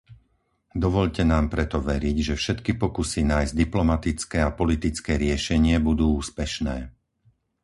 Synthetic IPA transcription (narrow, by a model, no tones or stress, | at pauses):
d̪ɔʋɔʎcɛnaːmpɾɛt̪ɔʋɛɾiɟʒɛfʃɛt̪kipɔkusinaːjzd̪iplɔmat̪it͡skɛːapɔlit̪it͡skɛːɾɪɛʃɛɲɪɛbud̪uːuːspɛʃnɛː